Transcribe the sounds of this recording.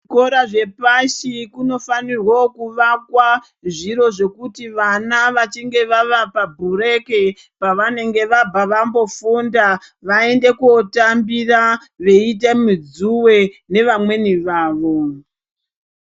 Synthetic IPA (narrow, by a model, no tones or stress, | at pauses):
ʐiko̞ɾaʐe̞paʃikuno̞fanirwokuʋakwa | ʐiɾo̞ʐe̞kutiʋanaʋat͡ʃiŋɡe̞ʋaʋapabʱure̞ke̞ | paʋane̞ŋɡe̞ʋabʱaʋambo̞funda | ʋae̞nde̞kuotambira | ʋe̞it̬emud͡zuwe̞ | ne̞ʋamwe̞niʋaːʋo̞